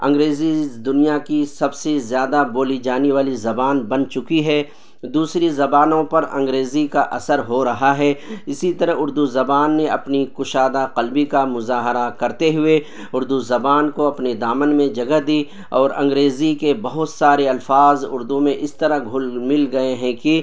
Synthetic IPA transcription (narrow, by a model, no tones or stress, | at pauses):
ɐ̰̃ŋɡɾeːzid̪ʊnijakisɐbsezjaːd̪aboːlid͡ʒaːneʋaːlizɐbaːnbɐnt͡ʃʊkiɦɛː | d̪uːsɾizɐbaːnõpɐɾɐ̃ŋɡɾeːzikaʔɐsəɾɦoɾɐɦaɦɛːɪsit̪ɐɾəɦʊɾd̪uzɐbaːnːeɐ̰pnikʊʃaːd̪aqɐlbikamʊzaːɦɾakɐɾt̪eɦʊe | ʊɾd̪uzɐbaːnkoɐpned̪aːmənmẽd͡ʒɐɡəɦd̪iː | ɔːɾɐ̰̃ŋɡɾeːzikebɐɦʊt̪saːɾeɐlfaːzʊ̰ɾd̪ũmẽʔɪst̪ɐɾəɦɡʱʊlmɪlɡɐeɦɛ̃ki